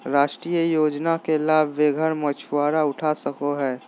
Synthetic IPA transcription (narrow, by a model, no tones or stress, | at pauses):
ɾaːʃʈɾijəjoːd͡ʒnakelaːbʱʋeɡʱəɾmət͡ʃʰuwaːɾaʊʈʰasəkoɦɛː